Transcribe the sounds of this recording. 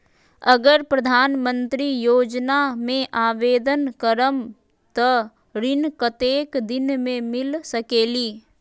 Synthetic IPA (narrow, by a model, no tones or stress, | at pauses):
əɡəɾpɾəd̪ʱaːnmə̃nt̪ɾijoːd͡ʒnamẽʔaːʋeːd̪ənkəɾəm | t̪ɔ | ɾɪnkət̪eːkd̪ɪnmẽmɪlsəkeːliː